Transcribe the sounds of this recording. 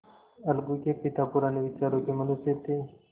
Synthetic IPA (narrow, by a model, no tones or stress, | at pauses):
ɐlɡukepɪt̪apuɾaneʋɪt͡ʃaːɾokemɐnuset̪e